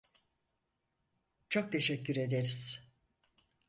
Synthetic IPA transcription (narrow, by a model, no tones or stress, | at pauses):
t͡ʃʰo̞k̚t̪ʰe̞ʃɛcːyɾe̞d̪eɾiz̥